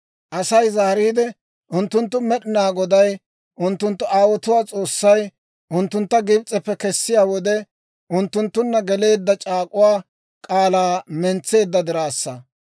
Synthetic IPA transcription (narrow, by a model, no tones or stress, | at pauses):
ʔɐsɐjzɐhɾiːd̪ɛ | ʔʊnt̪ːʊnt̪ːʊmɛɗɪnaːɡɔd̪ɐj | ʔʊnt̪ːʊnt̪ːʊʔaːwɔt̪ʊwaːt͡sʼoːsːɐj | ʔʊnt̪ːʊnt̪ːɐɡɪbt͡sʼːɛpːɛkɛsːɪjaːwɔd̪ɛ | ʔʊnt̪ːʊnt̪ːʊnːɐɡɛle̞ːd̪ːɐt͡ʃʼaːkʼʊwaː | kʼaːlaːmɛnt͡sːe̞ːd̪ːɐd̪ɪɾaːsːɐ